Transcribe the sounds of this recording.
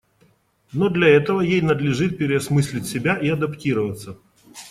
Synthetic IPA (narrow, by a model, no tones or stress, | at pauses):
nod̪lʲɐɛt̪əvəjejnəd̪lʲɪʐɨt̪̚pʲɪɾʲɪɐsmɨsʲlʲɪtʲsʲɪbʲaʔiɐd̪ɐptʲiɾəvət̪sə